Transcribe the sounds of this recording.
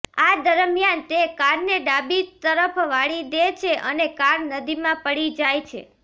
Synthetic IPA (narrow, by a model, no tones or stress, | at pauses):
ad̪əɾmjant̪ekaɾneɖabit̪əɾəpʰʋaɭid̪et͡ʃʰeʔənekaɾnəd̪imãpəɽid͡ʒajt͡ʃʰḛ